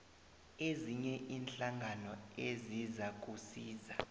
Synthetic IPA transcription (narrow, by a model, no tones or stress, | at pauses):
eziɲɛʔinɬaŋɡʱanɔezizak̬ʼusiːza